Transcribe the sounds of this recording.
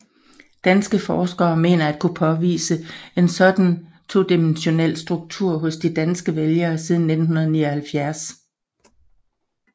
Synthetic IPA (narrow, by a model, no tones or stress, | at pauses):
d̥ænsɡ̥əfɒːsɡ̥ɐːme̝̰ːnɐæd̥̚kʰupʰɒ̽ʋḭːsəe̝nsɒ̽d̥n̩ | t͡sʰo̝̰ːd̥imenɕo̝nel̰sd̥ʁuɡ̥̚t͡sʰuɐ̰ɦɔ̽sd̥id̥ænsɡ̥əʋeljɐːsiːð̞ˠn̩ːed̥n̩ɦunɐð̞ˠniɐhælfjæɐs